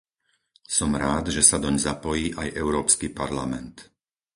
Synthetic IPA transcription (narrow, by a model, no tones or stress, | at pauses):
sɔmɾaːd̪ʒɛsad̪ɔɲzapɔjiːʔajʔɛʊɾɔːpskipaɾlamɛnt̪